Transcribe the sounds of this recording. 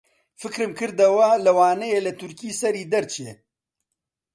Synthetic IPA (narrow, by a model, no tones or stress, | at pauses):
fɨkɾɨmkɨɾd̪ɐwɐlɐwaːnɐjelɐt̪ʰʊɾkiːsɐɾiːd̪ɐɾt͡ʃʰeː